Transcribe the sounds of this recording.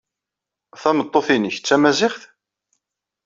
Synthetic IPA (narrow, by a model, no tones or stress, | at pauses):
θæmət̪ˤːoθinəçət͡sːæmæzɪχθ